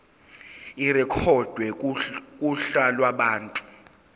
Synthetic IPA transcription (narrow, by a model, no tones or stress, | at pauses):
irɛkʰɔd̥ʱwɛkʼuɬalwaɓaːntʼu̥